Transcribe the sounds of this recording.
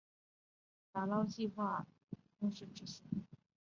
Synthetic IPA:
t̪a˨˩lɑ˥˧ʊt͡ɕi˥˧xwa˥˩ | mu˥˧ʂɻ̩˥˩ʈ͡ʂɻ̩˥˩ɕi˧˥

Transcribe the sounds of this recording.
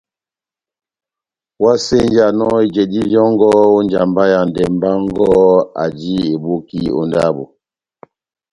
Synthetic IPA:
wa˦se˦n˦d͡ʒa˨nɔ˦i˨d͡ʒɛ˨di˦ljɔ˦ŋ˦ɡɔ˦o˦n˦d͡ʒa˨mba˦ja˨n˨dɛ˨m˦ba˦ŋ˦ɡɔ˦a̰˨d͡ʒi˦e˨bo˦ki˦o̰˨nda˦bo̰˨

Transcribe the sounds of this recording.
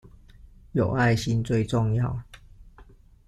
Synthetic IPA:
jo˨˩ʊa˥˨ɪɕi˦˥nt͡swe˥˧ɪʈ͡ʂʊ˥˧ŋjɑ˥˨ʊ

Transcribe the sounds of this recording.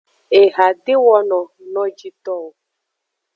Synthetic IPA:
e˨ɦa˨dɪ˦wɔ˦nɔ˨nɔ˦d͡ʒi˦tɔ˦˨

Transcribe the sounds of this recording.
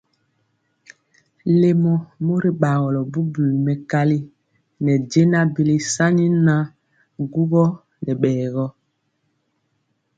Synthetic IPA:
le˦mɔ˨mo˦ɾi˦ɓa˨ɣɔ˨lɔ˨bu˦bu˨lmɛ˨ka˦li˦ | nɛ˨ɟe˦na˦bi˦li˦sa˦ɲi˦na˦ | ɡu˦ɣɔ˦ | nɛ˨ɓɛː˨ɣɔ˦

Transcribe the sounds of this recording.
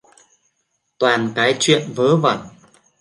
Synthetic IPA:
t̪waː˨˩nkaː˨˦jt͡ɕwḭ˧˨ənvəː˨˦və˧˩n

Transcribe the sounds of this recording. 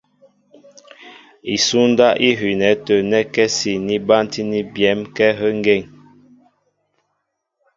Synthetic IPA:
i˨su˦n˦da˦ʔi˦ɦi˨nɛ˨˦tə˨nɛ˦kɛ˦si˨ni˦ba˦nti˦ni˦bjɛ˨˦mkɛ˦ɦə˦ŋɡe˦˨ŋ

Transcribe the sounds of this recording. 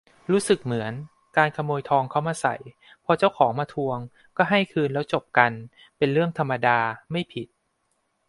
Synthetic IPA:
ɾuː˦˥sɯ˨˩k̚mɯ˩˦ən | kaː˧nkʰa˧moː˧jt̪ʰɔː˧ŋkʰa˥˩wmaː˧sa̰˨˩j | pʰɔː˧t͡ɕa˥˩wkʰɔː˩˦ŋmaː˧t̪ʰu˧əŋ | kɔː˥˩ɦa˥˩jkʰɯː˧nlɛː˦˥wt͡ɕo˨˩p̚ka˧n | pe˧nɾɯ˥˩əŋt̪ʰa˧mːa˧daː˧ma˥˩jpʰi˨˩t̪̚

